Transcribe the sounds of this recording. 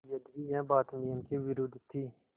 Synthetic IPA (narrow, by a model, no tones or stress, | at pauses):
jəd̪ʋiːɛ̃ːbaːt̪niːəmkiːʋɪɾoːd̪ʱt̪ʰːiː